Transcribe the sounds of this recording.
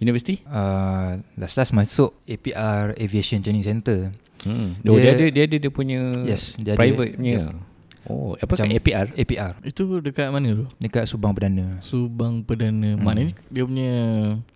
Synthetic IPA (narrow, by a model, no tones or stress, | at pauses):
junivəsi̥t̪iə | laslasmasʊʔepiʔareviesənt̪ɾeniŋsɛnt̪ə | doiadədiəadədiəpuɲə̃jɛsdiəapɾajvət̪̚ɲə | o̰apəkt͡ʃaapiarepiʔarit̪udəkat̪̚manə̃t̪odəkaʔ̚subaŋpədanə̃subaŋpədanə̃manəidiəp̬uɲə